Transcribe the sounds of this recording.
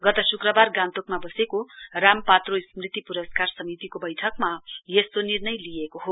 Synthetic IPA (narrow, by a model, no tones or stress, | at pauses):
ɡʌt̪ʌsukrʌbarɡãnt̪okmabʌsekorampat̪rosmrit̪ipuɾʌskarsʌmit̪ikobʌjʈʰʌkmajest̪onirnʌjlijekoɦo